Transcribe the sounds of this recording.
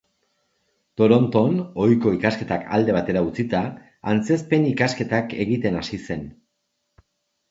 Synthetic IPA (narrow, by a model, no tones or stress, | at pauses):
t̪o̞ɾo̞nt̪o̞no̞jko̞ikaske̞t̪aka̰ld̪e̞β̞at̪e̞ɾaut͡sit̪a | ant͡se̞spe̞nikaske̞t̪ake̞̰ɣit̪e̞nasise̞n